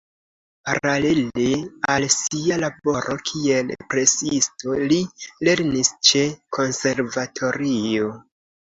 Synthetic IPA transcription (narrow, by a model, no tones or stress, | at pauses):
paɾale̞lealsialabo̞ɾʔo̞kʰie̞lpɾe̞siisto̞lile̞ɾnist͡ʃe̞kʰo̞nse̞ɾvatʰo̞ɾio